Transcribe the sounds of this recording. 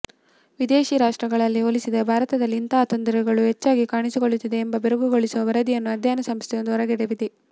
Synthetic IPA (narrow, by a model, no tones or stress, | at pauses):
ʋid̪eːʃiɾaːʂʈɾɐɡɐɭɐlːiolisid̪ɐbʱaːɾɐt̪ɐd̪ɐlːiːnt̪ɐɦat̪ond̪ɐɾɛɡɐɭuɦet͡ʃːaːɡikaːɳisikoɭut̪ːid̪e̞ːmbɐbeɾuɡuɡo̞ɭisuʋɐʋɐɾɐd̪ijɐnːuɐd̪ʱjaːnɐsɐmst̪ʰɛjond̪uɔɾɐɡɛɽebid̪e